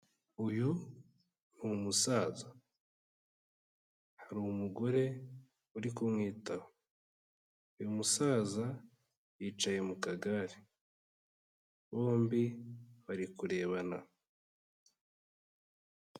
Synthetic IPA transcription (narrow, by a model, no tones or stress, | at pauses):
uju | nuumusaːza | haɾuwumuɡo̞ɾe̞ | uɾikumŋiːtaho | ujumusaːza | jiːt͡ʃaje̞mukaɡaɾi | βo̞ːmbiβaɾikuɾe̞ːβana̰